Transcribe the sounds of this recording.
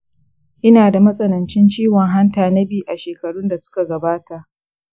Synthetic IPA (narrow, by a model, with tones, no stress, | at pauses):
ʔɪ˦naː˨da˨mɐ˦sʼɐ˦nɐ˨nt͡ʃɪ˦nt͡ʃiː˦wɔ˨ŋɦa˦ntaː˨nɐ˦biː˦˨ʔa˨ʃeː˨kɐ˨ɽu˦nda˨sʊ̥˦ka˨ɡɐ˨baː˦ta˨ʔ